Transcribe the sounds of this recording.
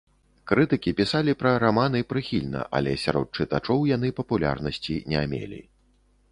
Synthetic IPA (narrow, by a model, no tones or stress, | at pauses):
kɾɨt̪ɨkʲipʲisalʲipɾɐɾamanɨipɾɨxʲilʲnɐ̰ʔa̰lʲɛsʲa̰ɾɔ̰t̪̚t͡ʂɨt̪at͡ʂɔwjan̪ɨpɐpulʲa̰rnɐsʲt͡sʲinʲɛmʲḛlʲḭ